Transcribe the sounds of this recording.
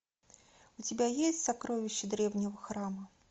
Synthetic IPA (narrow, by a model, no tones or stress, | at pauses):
ʊt͡sʲɪbʲajesʲtʲsakɾovʲɪɕːɪd̪ɾʲɛvnʲɪvəxɾamə